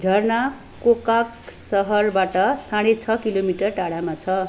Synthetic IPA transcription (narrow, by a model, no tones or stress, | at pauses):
d͡zʱʌrna | kokaksʌɦʌrbaʈʌsãɽet͡sʰʌkilomiʈʌrʈaɽamat͡sʰʌ